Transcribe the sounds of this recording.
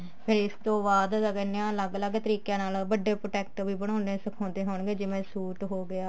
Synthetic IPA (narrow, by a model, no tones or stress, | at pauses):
pʰɪɾɪst̪õːbaːd̪ɡɛːneãːləɡləɡt̪əɾiːkjãːnaːlbəɖːeːpɾoːʈɛːk̚ʈʋiːbəɽ̃ãːnd̪eːsəkʰõːnd̪eːɦoːɳɡeːd͡ʒeːmɛ̃ːsuːʈɦoːɡɪaː